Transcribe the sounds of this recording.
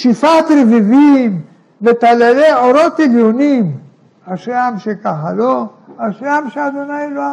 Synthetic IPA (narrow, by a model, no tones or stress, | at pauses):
ʃifat̪ɾevivim | vet̪aleleoɾo̞t̪eljonim | haʃlamʃekaχalo | aʃamʃead̪onailoa